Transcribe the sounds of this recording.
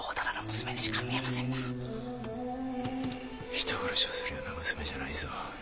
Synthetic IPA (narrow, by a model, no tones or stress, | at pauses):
oːd̪anaɾomɯ̟sɨme̞d̪eɕi̥kʰamʲiemasẽnːa | çi̥t̪ʰoɡaɾaɕiosɨɾɯjo̞ːnamɯ̟sɨ̥me̞ʑanaisɨβa